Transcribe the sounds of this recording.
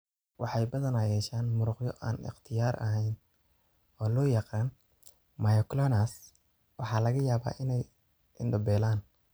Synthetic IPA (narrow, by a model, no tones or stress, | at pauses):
wɑħɑjbɐðɐnɐjɛːʃaːnmʊɾʊqjɔʔa̰ːnɪ̰qt̪ʰɪjaːɾʔɐ̰ɦɛjn | ɔːlɔːjɑqɑaːn | majɔklɔnas | wɑħɑːlɐɣɐjaːβa̰ːʔɪnɛj | ɪnɖɐbɛːlaːn